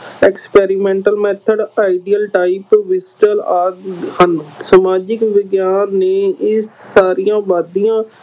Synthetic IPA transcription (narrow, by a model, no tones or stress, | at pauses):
ɛːkspɛːɾɪmɛ̃ːɳʈəlmɛːt̪ʰəɖaːiɖiːəlʈaːipʋɪsʈəlaːhənsəmaːd͡ʒɪkʋɪɡjaːnːeːɪsːaːɾijãːʋaːd̪ijãː